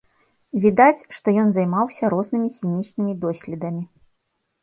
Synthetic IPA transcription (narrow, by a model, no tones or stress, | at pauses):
vʲid̪at͡sʲʂt̪ɔjɔnzajmawsʲɐɾɔznɨmʲixʲimʲit͡ʂnɨmʲid̪ɔsʲlʲɛd̪ɐmʲi